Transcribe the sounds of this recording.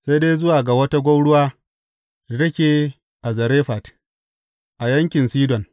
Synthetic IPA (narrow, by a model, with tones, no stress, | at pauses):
sa˦jdeː˦jzʊ˦waː˨ɡa˨wɐ˦ta˦ɡʷo˦wɽʊ˦waː˦˨ | dɐ˦kʲeː˨ | ʔa˨zɐ˨ɾeː˦ɸa˨t | ʔa˨jɐ˦ŋkʲɪ˨nsiː˦dɔ˨n